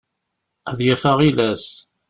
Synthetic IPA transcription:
æðjæfaʁilæs

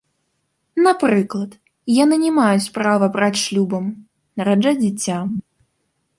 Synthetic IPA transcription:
napɾɨklˠɐt̪ | janɨnʲɛmajut͡sʲpɾavɐbɾat͡sʲʂlʲubɐm | nɐɾad͡ʐad͡zʲɛt͡sʲːa

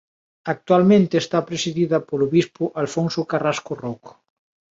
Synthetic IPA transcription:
ak̚t̪walmẽnt̪eːst̪apɾesiðiðɐpoloβispʊʔalfonsokaraskoroko̥

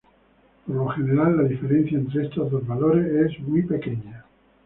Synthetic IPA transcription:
poɾloxe̞ne̞ɾalːaðife̞ɾẽ̞n̟θjaent̪ɾeest̪ozðo̞zβalo̞ɾesezmwipe̞ke̞ɲa

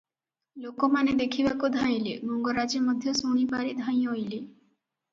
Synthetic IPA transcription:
lokomaned̪ekʰibakud̪ʱãj̃lemoŋɡɔɾad͡ʒemɔd̪ʱjɔsoɽ̃ipaɾid̪ʱãj̃ojle

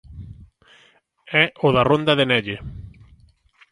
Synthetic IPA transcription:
ɛʊðɐrond̪ɐðɪnɛʎe

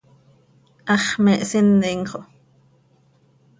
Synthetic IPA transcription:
ʔɑχmɛʔsinːiŋχo

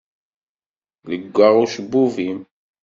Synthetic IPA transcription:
ləɡʷːaʁuʃəbːuvim

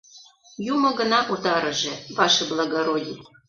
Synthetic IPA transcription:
jumɤ̆ɣə̆nɑʔut̪ɑɾə̆ʒĕβɑʃĕblˠɑɣoɾodʲi

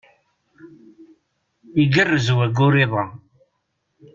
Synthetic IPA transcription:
iɡərːəzwæɡʊɾiðˤɑ

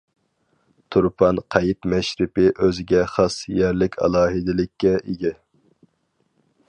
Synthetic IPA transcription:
t̪ʰuɾpʰɑnqʰɑjip̪mɛʃɾɪpɪʔøzɪɡʲɛχɑsjɛɾlɪkʲʰɑ̰lˠɑːɦɪd̪ɪlɪkʲːɛʔiɡʲɛ

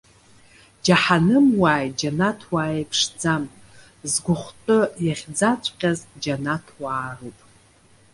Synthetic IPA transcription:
d͡ʒaħanɨmwaːjd͡ʒanatʰwaːejpʰʂd͡zamʼ | zɡʷʊχʷtʼɨjaχʲd͡zat͡sʷʰʼqʲʼazd͡ʒanatʰwaːrɨpʼ

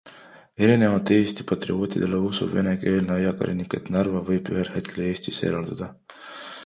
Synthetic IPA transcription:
e̞ɾine̞vɑt̪ːˑee̞ːst̪i̥pɑt̪rḭo̞ːt̪ḭd̪̥e̞leusṵve̞ne̞ke̞ːlneɑjɑkɑ̰lʲʔinikːˑe̞t̪nærvɑvɤjb̥yɦelhe̞t̪̚kʰe̞lee̞ːst̪isḛːɾɑld̪ud̪̥ɑ

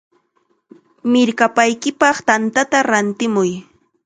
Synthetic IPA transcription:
mɪɾkapajkɪpɑχt̪ant̪at̪aɾant̪ɪmʊj

